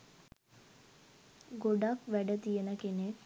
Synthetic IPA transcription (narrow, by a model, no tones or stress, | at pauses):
ɡoɖakʋæɖət̪ijənəkene